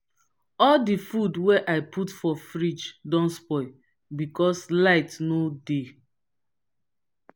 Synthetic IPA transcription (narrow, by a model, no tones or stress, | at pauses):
ɔldifudwɛʔaɪpʰutfɔfɹit͡ʃdɔ̃nspɔɪ | bikɔslaɪtnode